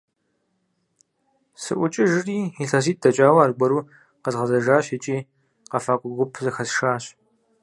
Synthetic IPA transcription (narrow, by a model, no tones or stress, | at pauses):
sɨ̰ʔʷʊt͡ʃʼɪʒɨriːiɬɐziːt̚ʼdɐt͡ʃʼaːwɐaːrɡʷɐɾuː | qəzʁɐzɐʒaːɕɐt͡ʃʼiː | qɐfaːkʷʼʊɡʷʊpʰzɨxɐsʃaːɕ